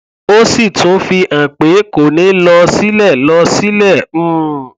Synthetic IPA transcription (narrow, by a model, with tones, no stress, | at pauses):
o˦si˦˨tũ˨˦fi˧ʔã˨k͡pe˨˦ko˨nĩ˨˦lɔ˧si˦lɛ˦˨lɔ˧si˦lɛ̃˦˨˦